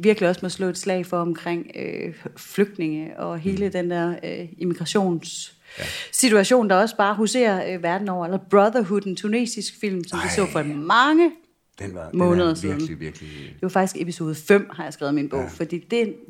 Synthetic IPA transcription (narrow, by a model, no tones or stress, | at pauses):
ʋiɐɡ̥liɒ̽smɒslɔ̰̽ːe̝d̥slɛ̰ɪ̰fɒɒ̽mkʰʁeŋ̰ø | fløɡ̥̚d̥ne̝ŋəɒ̽ɦe̝ːləd̥end̥æɐ̰øemiɡ̥ʁɑɕo̝̰ːnsː | it͡sʰuæɕo̝̰ːnd̥ɑ̈ɒ̽səb̥ɑ̈ːɦuse̝̰ːɐʋæɐd̥n̩ɒʊɐelɐb̥ʁɑðˠɐɦud̥ent͡sʰune̝̰ːsisɡ̥fil̰msɒ̽md̥isɔ̰̽ːfɒmɑ̈ŋə̥ | mɔ̽ːnəðˠɐsiðˠn̩d̥e̝ʋɑ̈fɑ̈ɡ̥d̥isɡ̥epʰiso̝ːð̞ˠfem̰hɑ̈jɑ̈ɪsɡ̥ʁaːʊð̩ˠminb̥ɔʊ̰fɒ̽d̥ḭːd̥e̝